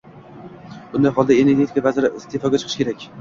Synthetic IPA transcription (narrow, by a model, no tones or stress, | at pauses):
bʊnd̪ajɦɒlˠd̪ae̞ne̞ɾɡʲe̞t̪ʰi̥kʰavazɪɾɪɪst̪ʰe̞fɒɡʲat͡ʃʰɨqʰɨʃkʲe̞ɾakʲ